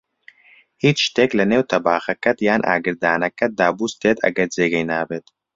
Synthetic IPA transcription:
hiːt͡ʃʃt̪eːklɐneːwt̪ʰɐbaːxɐkɐt̪jaːnʔa̰ːɡɨɾd̪aːnɐkɐd̪aːbust̪eːt̪ʰɐ̰ɡɐɾd͡zeːɡɐjnaːbeːt̪

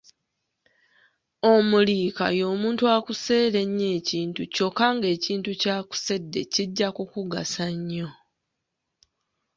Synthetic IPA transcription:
omuliːka̰jo̞ːmuːntuaːkuse̞ːle̞ɲːe̞ːciːntuco̞kːaŋɡe̞ːciːntucaːku̥se̞dːe̞̰ciɟːakukuɡasaɲːo̞

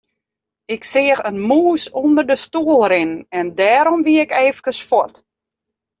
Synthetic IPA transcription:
ɪksɪəxənmuːsundərdəstuəlˠrɪnnɛndɛːɾɔmʋiəɪkɛːfəkəsfɔt

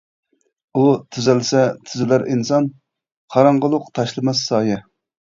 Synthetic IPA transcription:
ut̪ʰyzɪlsɛt̪ʰyzɪlæɾinsɑn | qʰɑɾɑɴʁəlˠʊqt̪ʰɑʃlˠɨmɛsːɑːjɛ

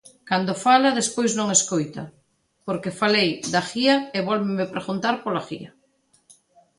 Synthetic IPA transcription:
kand̪ofalaðespojznõŋeskojt̪a̰ | poɾkefalejd̪axiaeβɔlβɪmepɾeɣunt̪aɾpolaxiɐ

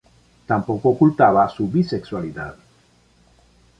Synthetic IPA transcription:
t̪ampokookult̪aβasubisekswaliða̰ð

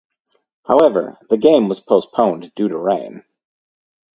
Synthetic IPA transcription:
haʊɛvə̰˞ðɨɡẽɪ̃mwʌz̥pʰoʊspʰõʊ̃nd̥ʉɾəɹẽɪ̃n

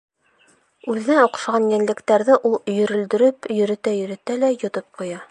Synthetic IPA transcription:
ʉðɘ̆nænuq̆ʃʁɑnjænlɘ̆kt̪æɾðɘʔulˠjɵ̆ɾɵ̆ld̪ɘ̆ɾɘpjɵ̆ɾɘ̆t̪æjɵ̆ɾɘ̆t̪ælæjŏt̪ɤp̚qujɑ

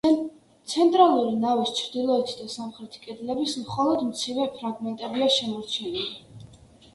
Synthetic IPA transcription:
t̪sʰɛnt̪ʼɾalˠuɾinavist͡ʃʰɾd̪ilˠɔɛt̪ʰid̪asamχɾɛt̪ʰi̥kʼɛd̪lɛbismχɔlˠɔd̪mt̪sʰivɛpʰɾaɡmɛnt̪ʼɛbiaʃɛmɔɾt͡ʃʰɛnili

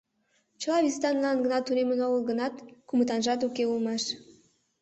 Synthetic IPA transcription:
t͡ɕəlɑβizt̪ɑnlɑnɡənɑt̪ːunemənoɡəlˠɡənɑt̪kumət̪ɑnʒɑt̪̬ukeulmɑʃ

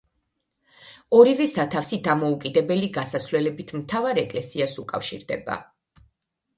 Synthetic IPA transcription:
ɔɾivɛsat̪ʰafsid̪amɔukʼid̪ɛbɛliɡasasvlɛlɛbit̪ʰmt̪ʰavaɾɛkʼlɛsiasukʼa̰fʃḭɾd̪ɛ̰ba̰

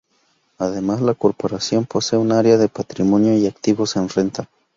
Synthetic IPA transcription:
aðemaslakoɾpoɾasjo̞mpo̞seunaaɾeaðepat̪ɾimonjoiakt̪iβosenrent̪a

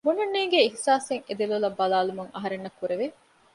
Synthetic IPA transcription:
bunɐnːiːɡeihsaːseŋed̪ilulɐbːɐlaːlumuŋɐ̰ɦɐɾenːɐkːuɾeʋe

